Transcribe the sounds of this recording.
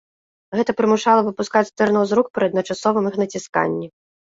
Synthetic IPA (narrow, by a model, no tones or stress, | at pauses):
ɣɛt̪ɐpɾɨmuʂalˠɐvɨpuskat͡sʲt̪ɛrnɔwzɾuk̚pɾɨɐd̪nɐt͡ʂasɔvɨmixnɐt͡sʲiska̰nʲːi